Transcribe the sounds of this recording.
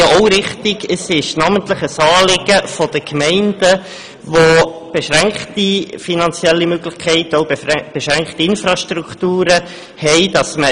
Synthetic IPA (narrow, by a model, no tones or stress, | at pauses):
jɑoʊɾɪχtɪɡəsɪʃnɑːməntləχəsɑːlɪɡ̥əfɔd̥əkmɛɪnd̥ə | ʋob̥eʃɾæŋkχtifinɑnt͡siɛlːimøɡlɪχkʰɛɪtoʊb̥eʃɾæŋkχtiɪnfɾɑʃtɾuktuːɾə | hɛɪd̥ɑsmə